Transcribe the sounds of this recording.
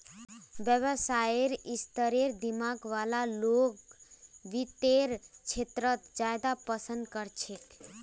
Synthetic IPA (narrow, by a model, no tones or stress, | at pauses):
bjəβəsaeɾist̪əɾeɾd̪imaɡʋalalokʋit̪eɾt͡ʃʰet̪ɾət̪d͡ʒaed̪apəsənd̪kəɾt͡ʃʰek